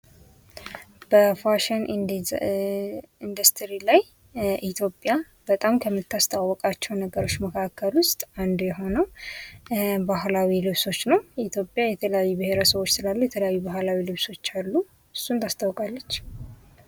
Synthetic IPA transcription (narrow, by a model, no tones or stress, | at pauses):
b̥əfaʃɛn | ind̪əst̪ʰɾilaj | ʔit̪ʰjo̞pʼːja | b̥ət̪ʼamkʰəmːɨt̪ːast̪ʰawːɔkʼat͡ʃːɛwnəɡəɾo̞t͡ʃːməkʰakʰːəlwʊst̪ʼand̪jɛɦo̞nəw | baɦlawilɨβso̞t͡ʃːnəwit̪ʰjo̞pʼːjajɛt̪ʰələjajːubɨhe̞ɾəsəβo̞t͡ʃːsɨlalːujɛt̪ʰələjajːubahlawilɨβso̞t͡ʃːalːu | ɨsːunt̪ʰast̪ʰawkʼalːət͡ʃː